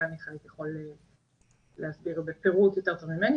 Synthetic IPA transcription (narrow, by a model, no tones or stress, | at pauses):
aniχanit̪jeχole | lehasbiʁbepe̞ʁut̪jot̪e̞ʁt̪ovmimeni